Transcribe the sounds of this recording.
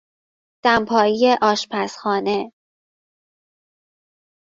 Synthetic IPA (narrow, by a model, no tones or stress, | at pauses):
d̪̥æmpʰɒːjijeʔɒːʃpʰæsxɒːne